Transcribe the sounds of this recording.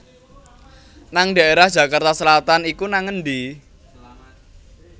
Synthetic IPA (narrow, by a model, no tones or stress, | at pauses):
naŋɖa̤eɾahd̥ʒ̥ä̤kart̪asəlat̪anikunaŋənɖi